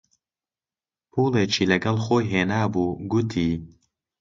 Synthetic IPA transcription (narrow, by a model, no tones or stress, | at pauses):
pʰuːlˠeːt͡ʃʰiːlɐɡɐlˠxoːjɦeːnaːbuːɡʊt̪ʰiː